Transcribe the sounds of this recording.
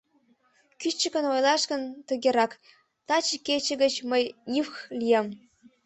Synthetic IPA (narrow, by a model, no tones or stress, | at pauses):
kyt͡ɕːə̆kə̆nojlˠɑʃkə̆nt̪ə̆ɣeɾɑk | t̪ɑt͡ɕiket͡ɕə̆ɣə̆t͡ɕməjnʲifxlʲijɑm